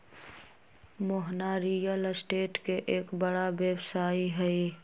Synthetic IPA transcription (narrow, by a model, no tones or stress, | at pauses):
mʊɦnaɾiːjəlsʈeːʈkeʔeːkbɐɽaʋeːwsaːiɦɛi